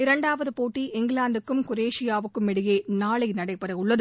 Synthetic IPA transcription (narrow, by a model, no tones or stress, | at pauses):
ɪɾɐɳɖaːʋɐðɯpoːʈːiʔɪŋɡɪɭaːnd̪ɯkːɯmkʊɾeːʂɪjaːʋɯkːɯmɛɽɯjeːnaːɭɐɪnɐɽɐɪpːɐɾɐɪʊɭːɐðɯ